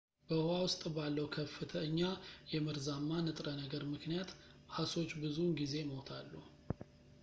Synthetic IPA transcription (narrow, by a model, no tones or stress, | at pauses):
b̥əhowawʊst̪ʼbalːəwkʰəfːɨt̪ʰəɲːajɛmɨɾzamːanɨt̪ʼɾənəɡəɾmɨknijat̪ | haso̞t͡ʃːbɨzunɡize̞məwt̪ʰalːu